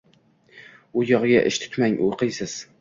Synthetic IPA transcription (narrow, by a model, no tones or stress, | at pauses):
ʊjɒʁɡʲaʔɪ̰ʃt̪ʰʊ̥t̪maŋʊjqɨjsɪz̥